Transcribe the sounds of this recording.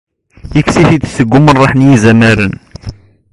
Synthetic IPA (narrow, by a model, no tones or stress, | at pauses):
jəksiθid̪səɡːumənˤːɑħnjizæmæɾən